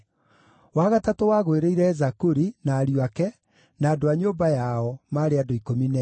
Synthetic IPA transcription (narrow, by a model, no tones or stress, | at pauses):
waɣatatowaːɣoeɾeiɾɛzakuɾinaːɾjwakɛ | naːdoaɲoːmbajaɔmaːɾeadoikominɛ